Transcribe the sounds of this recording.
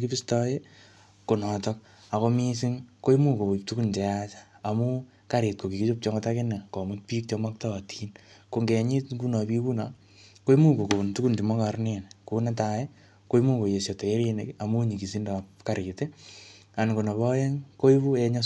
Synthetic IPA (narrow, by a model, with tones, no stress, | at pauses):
ki˦bi˦stɔ˦je | ko˨nɔ˨tɔ˦k̚ | a˨ko˦mi˦s̬i˦ŋko˦i˦mu˦ko˨u˨p̚tu˦ku˦nte˨jat͡ʃḁːmu˦ | ka˦ɾet̚ko˨ki˨ki˦t͡ʃop̚t͡ʃɔ˦ŋɡotakɪ˦ne˨kɔ˨mu˦t̚piː˦k̚t͡ʃoma˦k̚ta˦a˨tʰi˦nkoŋɡe˨ɲi˦tɡu˦na˨pi˦bu˦na˨ | ko˦i˦mu˦ko˨ko˨bu˨ntu˦ku˦nti˨mɔ˦kaɾne˨nkuna˦t̬aje | ko˦i˦mu˦ko˨je˨sjo˨to˨je˦ɾi˦ne˨ka˨mu˦ɲi˨ki˨si˦ndɔ˨pka˨ɾite˦ | a˨nko˨nɔ˨βɔ˦je˦ŋko˦ibu˦e˧ɲɔ˦